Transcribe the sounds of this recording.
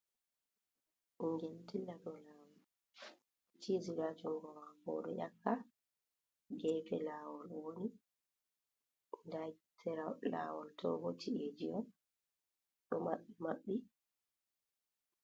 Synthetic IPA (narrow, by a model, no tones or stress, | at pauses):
ʔiŋɡɛltilːadɔlaːwɔl | tʰiziɾaːd͡ʒuŋɡɔwaɡɔ̰ːɗɔ̰ʔakːa | ɡɛːfɛlaːwɔlwoni | ndasɛɾala̰wɔltʰɔ̰ɡɔtʰied͡ʒiɔ | ɗɔmaɓːimaɓːi